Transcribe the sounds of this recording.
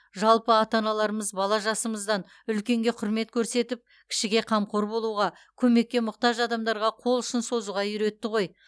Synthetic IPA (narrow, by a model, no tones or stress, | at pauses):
ʒɑlˠpəɑt̪ɑnɑlˠɑɾəməzbɑlˠɑʒɑsəməzd̪ɑn | ʏlkʲe̞ŋɡʲe̞qʰʊɾme̞t̪kʲʰɵɾse̞t̪ɪp̚ | kʲʰɪ̥ʃɪɡʲe̞qʰɑmqʰoɾbo̞lˠuʁɑ | kʲʰɵme̞k̚ʲːe̞mʊqt̪ɑʒɑd̪ɑmd̪ɑɾʁɑqʰo̞lˠʏʃɪnso̞zuʁɑjʏɾe̞t̪ːɪʁo̞j